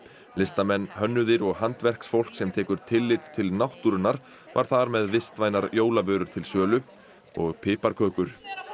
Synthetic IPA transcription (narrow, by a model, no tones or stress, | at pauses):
lɪst̪amɛnːhœnːʏðɪɾɔɣɦant̪vɛr̥ksfowl̥ksɛmt̪ʰɛːkʏɾ̥t̪ʰɪlːɪt̪t̪ʰːɪlnawht̪uɾʏnːaɾ | va̰ɾ̥θaɾmɛðvɪst̪vaːjnaɾjoːwlavœːɾʏɾ̥t̪ʰɪlsœːlʏ | ɔɣpʰɪːpaɾkʰœːkʏɾ̥